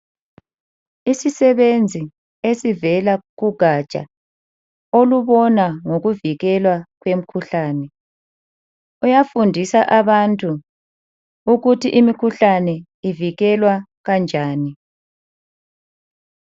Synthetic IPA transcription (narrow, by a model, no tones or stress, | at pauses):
isisɛβend͡zʱi | esivɛlaɣuɡ̥ʱat͡ʃʼa̰ | oluβɔnaŋoɣuviɣɛlwaɣwem̩kʰuɬaːnɛ | ujafundʱisaʔaβantʼu | uɣutʰiʔimikʰuɬanɛ | iviɣɛlwa | ɣand͡ʒʱaːni